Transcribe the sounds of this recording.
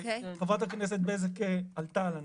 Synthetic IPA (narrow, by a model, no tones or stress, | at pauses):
χavat̪haknes̬et̪̚bezakealt̪alan